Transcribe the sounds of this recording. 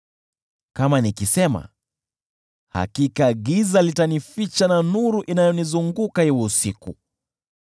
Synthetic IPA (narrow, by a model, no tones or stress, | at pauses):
kamanikisɛma̰ | ha̰kikaɠizalitanifit͡ʃananuɾuʔinajɔnizuŋɡukahiwɛusikṵ